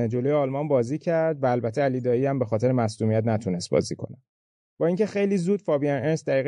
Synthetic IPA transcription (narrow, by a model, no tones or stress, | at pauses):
d͡ʒo̞lojeɒːlmɒnbɒːziːcʰæɾd̪væːlbæt̪ʰːeæliːd̪ɒːjiæmbe̞xɒːt̪e̞ɾemæsluːmiæt̪̬næt̪ʰunest̪̚bɒ̰ːziːkʰo̞̰næ | b̥ɒːiːŋcʰe̞xe̞jliːzuːd̪fɒːbiænʔensd̪æɾiːɣe